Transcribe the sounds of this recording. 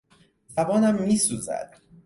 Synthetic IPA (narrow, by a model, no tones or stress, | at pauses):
zæbɒːnæmːiːsuːzæ̰d̪̥